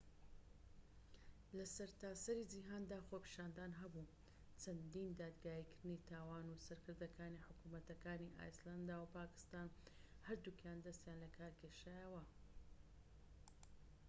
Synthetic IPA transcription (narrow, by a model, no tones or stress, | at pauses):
lɐsɐɾt̪aːsɐɾid͡ʒiɦaːnd̪aːxoːpi̥ʃaːnd̪aːnɦɐbu | t͡ʃʰɐnd̪iːnd̪aːd̪ɡaːjikɨɾnit̪ʰaːwaːnusɐɾkʰɨɾd̪ɐkaːniħʊkumɐt̪ɐkaːniʔa̰ːjsland̪awpaːkɨ̥st̪aːnhɐɾd̪ukjaːnd̪ɐst̪jaːnlɐkʰaːɾkʰeʃajɐwɐ